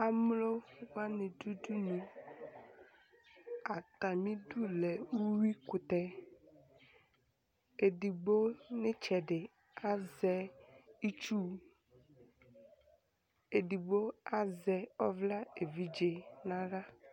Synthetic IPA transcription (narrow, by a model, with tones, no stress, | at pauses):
a˨mlo˦wa˦nẽ˨du˦du˦nũ˨ | a˨t̪a˨mĩ˦du˦lɛ˨wu˦wi˦ku˨t̪ɛ˦ | e˨ɖi˨ɡ͡bo˦ne˦t͡ʃɛ˨ɖɪ˨ | a˦zɛ˦i˦t͡ʃu˦ | e˨ɖi˨bo˦a˦zɛ˨ɔ˦vla˦e˨vi˦d͡ʒe˨nã˦ɖa˦